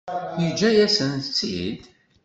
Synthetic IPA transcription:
id͡ʒæjæsənt͡sːḭd̪

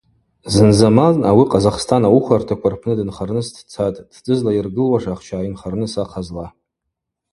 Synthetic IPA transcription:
zɨnzamanawiqʼazaχstʰanawuχʷartʰakʷʰarpʰnɨdɨnχarnɨsdʰt͡sʰatʼd̥dʼɨzlairɡɨlwaʂaχt͡ʃʰaːinχarnɨsaqʰazla

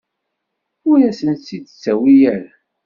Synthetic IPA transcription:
ʊɾæsənsid̪t͡sːæwijæɾ

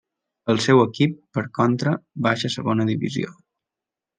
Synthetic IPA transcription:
əlˠsɛwəkipːəɾkɔnt̪ɾəβaʃəsəɣonəðiβḭzio̰

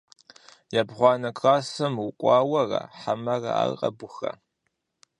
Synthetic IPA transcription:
jabʁʷɑːnɐkʰʼrɑːsɐmwʊkʷʼɑːwɐrɐ̰ħamɐrɐ̰a̰qʼɐbʷʊxɐ̰

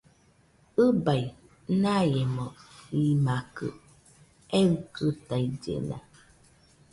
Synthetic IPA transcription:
ɨbaj | najɛmɔimakɨ̰ | ɛtɨtaid͡ʒḛna̰

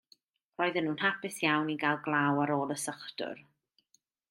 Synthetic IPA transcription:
r̥oːjðənːuːnhapɪsjawniɡalˠɡlˠawaɾoːlˠəsəχdʊ̰r

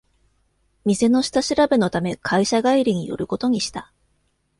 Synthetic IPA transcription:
mʲize̞no̞ɕi̥t̪aɕiɾabeno̞t̪ame̞kʰaiɕaɡaiɾʲiɲ̟ijo̞̰ɾɯ̟ko̞t̪o̞ɲ̟iɕi̥t̪a

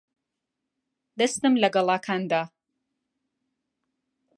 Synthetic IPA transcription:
d̪ɐst̪ɨmlɐɡɐlˠaːkʰaːnd̪aː

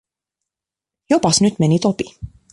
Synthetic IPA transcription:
jopɑsnyt̪menʲit̪opi

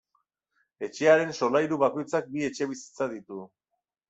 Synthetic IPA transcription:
e̞t͡ʃe̞aɾe̞nso̞lajɾuβako̞jt͡sak̚bie̞t͡ʃe̞βisi̥t͡saðit̪u

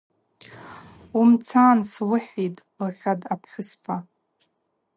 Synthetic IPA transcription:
umt͡sʰaːnswʊħitʼ | ħʲʷᶣadapʰħʷʊspʰa

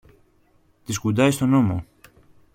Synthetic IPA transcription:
t̪iskud̪ɐjst̪o̞no̞mo̞

